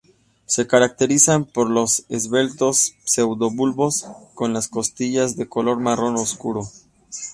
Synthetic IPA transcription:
se̞kaɾak̚t̪e̞ɾisampo̞ɾlo̞sezβe̞lt̪o̞sːe̞wðo̞βulβo̞sko̞nlasko̞st̪iʝazðe̞ko̞lo̞ɾmaro̞noskṵɾo̞

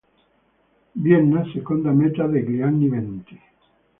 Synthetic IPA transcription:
bjenːasekond̪amet̪aðeɡliaŋniβent̪i̥

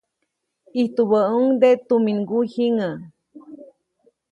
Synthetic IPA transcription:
iht̪uβəuŋd̪et̪umiŋɡuhiŋə

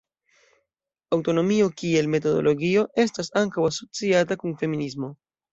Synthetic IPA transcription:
awto̞no̞mio̞kie̞lme̞to̞do̞̰lo̞ɡio̞ʔe̞stasaŋkawaso̞t͡siatakunfe̞minizmo̞

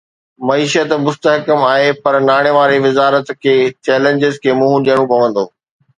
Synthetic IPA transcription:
mɐiːʃət̪mʊst̪əɦkəmaːɦepɐɾnaːɽ̃eʋaːɾeʋɪzaːɾət̪kʰeːt͡ɕɛːlə̃ɲd͡ʑɪzkʰeːmʊ̃ɦũɗijəɽ̃õpɐʋə̃nd̪oː

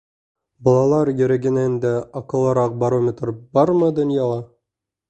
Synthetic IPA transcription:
bɑlˠɑlˠɑɾjɵ̆ɾæɡɘ̆nænd̪æɒqɤ̆lˠɑɾɑq̚bɐɾomʲet̪rbɑɾmɤd̪ŏnjɑlɑ

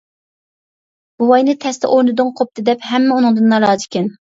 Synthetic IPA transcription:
b̥uwɑjnɨt̪ʰɛst̪ʰɛ̰ʔoɾnɨd̪ʊŋqʰop̚t̪ʰɨd̪ɛpɦɛmːɛunɨŋd̪ɨnːɑɾɑːd͡ʒ̪ɪkʲɪn

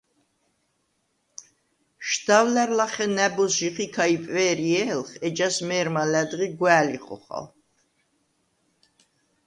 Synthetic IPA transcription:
ʃd̪avlæɾlaχɛnæbɔsʒiχikʰaipʼvɛːɾiɛlχɛd͡ʒasmɛːɾmalæd̪ʁiɡwæːliχɔ̰χa̰l

